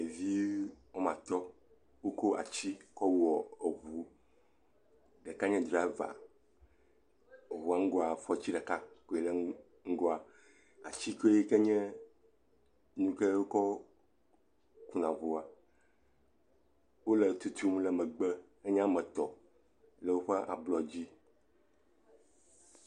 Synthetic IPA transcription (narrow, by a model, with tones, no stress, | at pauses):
e˨vi˦wɔ˦mã˨t̪ɔ˦ | wo˦ko˦ʔa̰˨t͡ɕi˦kɔ˦wɔ˨e˨vu˦ | ɖe˨ka˦ɲɛ̃˦d̪ɾi˨a˨˦va̰˨ | e˨wu˨a˨ŋ̩˦ɡo˦a˨fɔ˦t͡ɕi˦ɖɛ˨ka˦ko˦e˨lɛ˦ | ŋ̩˦ɡo˦a˨ | a̰˨t͡ɕi˦ko˦e˦kɛ˦ɲɛ̃˦ | nũ˦kɛ˦wo˦kɔ˦ | ku˦nã˨vo˨a˨ | wo˦lɛ˨t̪u˦t̪ʰu˦m˦lɛ˨mɛ̃˨ɡ͡be˦ | e˦ɲ˦ã˦mɛ̃˨t̪ɔ̰˨ | lɛ˦wo˦ɸɛ˦ʔa̰˨blɔ˨d͡ʑi˦